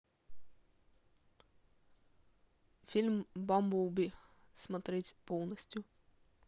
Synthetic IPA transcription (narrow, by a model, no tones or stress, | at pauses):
fʲilʲmbɔmbuwbʲismɔt̪ɾɪtʲpɔwnɔsʲtʲʊ